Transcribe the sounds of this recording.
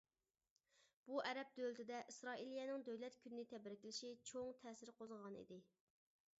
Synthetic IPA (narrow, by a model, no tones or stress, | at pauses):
b̥uʔɛɾɛp̚d̪ølt̪ʰɪd̪ɛʔisɾɑːilijɛnɪŋd̪øwlɛt̪kʲʰynːɪt̪ʰɛbɾɪkʲlɪʃit͡ʃʰoŋt̪ʰɛːsɪɾqʰozʁɑnḭd̪ɪ